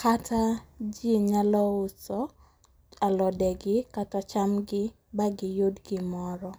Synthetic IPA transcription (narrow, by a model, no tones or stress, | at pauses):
katʰad͡ʒiɲalɔʊsɔ | alɔdɛɡɪkatɔt͡ʃamɡɪ | baɡɪjodɡɪmɔɾɔ